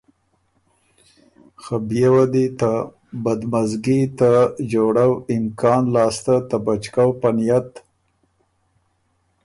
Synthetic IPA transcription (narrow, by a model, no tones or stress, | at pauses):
xabjawad̪it̪a | bad̪mazɡit̪ad͡ʒoɽawɪmkɑnlɑːst̪at̪abat͡ʃkawpanijat̪